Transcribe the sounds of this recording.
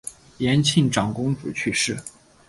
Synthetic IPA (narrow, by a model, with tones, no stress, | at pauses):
jɛ˧˥nt͡ɕʰi˥˩ŋʈ͡ʂɑ˨˩ŋkʊ˥ŋt͡sɹ̩˨˩t͡ɕʰy˥˧ʂɻ̩˥˩